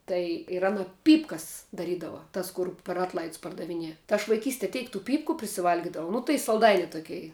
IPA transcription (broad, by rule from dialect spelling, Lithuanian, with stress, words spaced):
ˈtɐɪ ɪr ˈɑːnɐ ˈpʲiːpkɐs dɐˈrʲiːdɐʋɐ ˈtɐs kʊr pʲɛr ˈɑːtlˠɐɪts pɐrdɐʋʲɪˈnʲiɛ tɐɪ ɐʃ ʋɐɪˈkʲiːsʲtʲiɛ ˈtʲɛɪk tuː ˈpʲiːpkʊ pʲrʲɪsʲɪˈʋɐlʲɡʲɪdɐʋɐʊ ˈnʊ tɐɪ sɐlˠˈdɐɪnʲɪ ˈtʊkʲɛɪ